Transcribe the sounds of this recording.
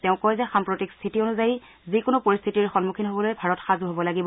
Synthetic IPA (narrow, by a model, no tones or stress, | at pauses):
tɛʊ̃kɔjzɛxampɹotikst̪ʰitionuzaji | zikʊnʊpoɹist̪ʰitiɹxɔnmukʰinɦobɔlojbʱaɹɔtxazuɦobɔlaɡibɔ